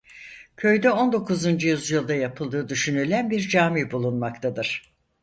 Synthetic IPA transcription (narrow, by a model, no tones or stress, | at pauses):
cʰø̞jd̪ɛo̞nd̪o̞kʰuzund͡ʒujyzjɯlˠd̪ajapʰɯlˠd̪ɯːd̪yʃynylʲænbiɾd͡ʒaːmibulˠunmakt̪ʰad̪ɯɾ̥